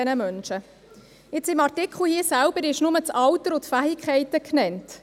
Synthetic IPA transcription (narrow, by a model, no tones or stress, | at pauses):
ɛnəmœnʃə | ɪt͡sɪmɑrtɪkχl̩ˠhiːəsælb̥əɾɪʃnʊmət͡sɑwtəɾʊtfæhikʰχɛɪtəknɛnt